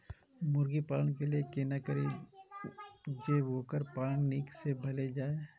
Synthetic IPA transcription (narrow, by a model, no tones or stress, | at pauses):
mʊɾɡipaːləñkeliekeːnakəɾe | d͡ʒeːʋoːkəɾpaːlənniːksebʱɐled͡ʒaːe